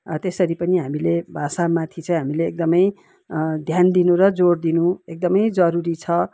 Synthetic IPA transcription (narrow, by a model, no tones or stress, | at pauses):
t̪esʌɾipʌniɦamilebʱasamat̪ʰit͡sʰʌ̃j̃ɦamileːk̚d̪ʌmʌj | d̪ʱjand̪inũɾʌd͡zord̪inũek̚d̪ʌmʌjd͡zʌɾuɾit͡sʰʌ